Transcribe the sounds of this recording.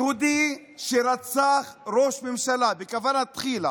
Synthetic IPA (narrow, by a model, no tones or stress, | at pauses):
hud̪i | ʃeɾat͡saχɾo̞ʃmemʃalabekavanhat̪χila